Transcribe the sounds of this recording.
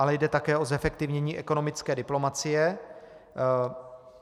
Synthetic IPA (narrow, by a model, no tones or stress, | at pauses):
alɛjdɛt̪akɛːozɛfɛk̚t̪ɪvɲɛɲiːʔɛko̞no̞mɪt͡skɛːdɪplo̞mat͡sɪjɛ